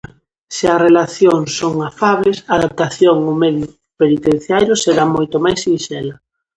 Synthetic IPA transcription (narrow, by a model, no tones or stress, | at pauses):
sɪɐrelaθjoŋsoŋafaβesaːðap̚t̪aθjoŋʊmɛði | penit̪en̟θjajɾʊseɾamojt̪omajsːinʃɛlɐ